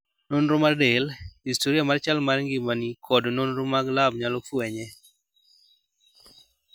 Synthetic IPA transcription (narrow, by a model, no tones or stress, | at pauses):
nonɾomadelhistoɾiamart͡ʃalmarŋɡɪmanikʰɔdnonɾomaɡlabɲalɔfwɛɲɛ